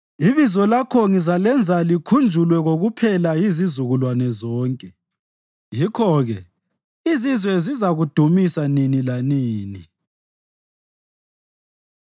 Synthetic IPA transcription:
iβizɔlakʰɔŋizalɛnd͡zʱalikʰund͡ʒʱulwɛɣoɣupʰɛlajizizuɣulwanɛzɔːŋkʼɛ | jikʰɔɣɛ | izizwɛzizaɣud̥ʱumisaninilaniːni

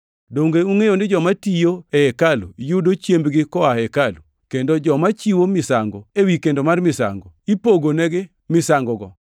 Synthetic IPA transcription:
doŋɡeuŋejonɪd͡ʒɔmatijoeɛkalṵjudot͡ʃembɡɪkɔaɛkalu | kendod͡ʒɔmat͡ʃiwomɪsaŋɡoewikendomarmɪsa̰ŋɡɔipoɡonɛɡɪ | mɪsaŋɡɔɡɔ̰

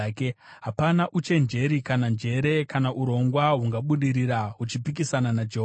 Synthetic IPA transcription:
ke | ɦapanaʔut͡ʃe̞nd͡ʒe̞ɾikanand͡ʒe̞ɾe̞kanaʔuɾo̞ŋɡwaɦuŋɡaɓuɗiɾiɾaɦut͡ʃipik̬isananad͡ʒeɦ

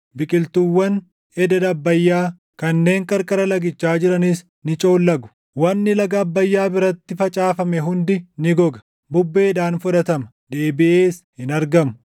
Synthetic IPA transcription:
bɪkʼɪlt̪ʊwːɐn | ɛd̪ɐd̪ɐbːɐjːaː | kɐnːe̞ːŋkʼɐɾkʼɐɾɐlɐɡɪt͡ʃːaːd͡ʒɪɾɐnɪs | nɪt͡ʃʼo̞ːlːɐɡʊ̥ | wɐnːɪlɐɡɐːbːɐjːaːbɪɾɐt̪ːɪfɐt͡ʃʼaːfɐmɛɦʊnd̪ɪnɪɡɔɡɐ̥ | bʊbːe̞ːd̪aːnfʊᶑ̪ɐt̪ɐmɐ̥ | d̪e̞ːbɪʔe̞ːshɪnɐɾɡɐmʊ̥

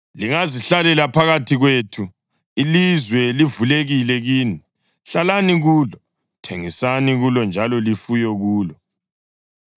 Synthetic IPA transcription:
liŋaziɬalɛlapʰaɣatʰiɣwetʰu | ilizwɛlivuleɣilɛɣiːni | ɬalaniɣuːlɔ | tʰeŋisaniɣulɔnd͡ʒʱalɔlifujɔɣuːlɔ

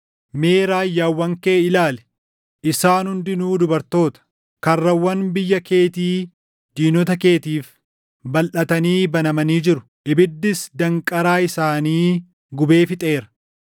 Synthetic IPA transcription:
me̞ːɾaːjːaːwːɐŋke̞ːɪlaːlɛ̥ | ɪsaːnhʊnd̪ɪnuːd̪ʊbɐɾt̪o̞ːt̪ɐ̥ | kɐrːɐwːɐnbɪjːɐke̞ːt̪iː | d̪̥iːnɔt̪ɐke̞ːt̪iːf | bɐlʔɐt̪ɐniːbɐnɐmɐniːd͡ʒɪɾʊ̥ | ʔɪbɪd̪ːɪsd̪ɐŋkʼɐɾaːɪsaːniː | ɡʊbe̞ːfɪt̪ʼe̞ːɾɐ̥

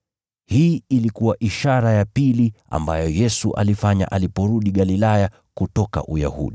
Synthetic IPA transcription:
hiːilikuwaʔiʃaɾajapilia̰mbajɔjɛsuʔa̰lifaɲa̰ʔalipɔɾuɗiɠalilaja | kutɔka̰ʔuja̰hṵɗi

